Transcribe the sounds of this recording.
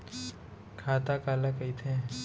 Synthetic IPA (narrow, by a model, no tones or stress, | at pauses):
kʰaːt̪akaːlakəit̪ʰẽ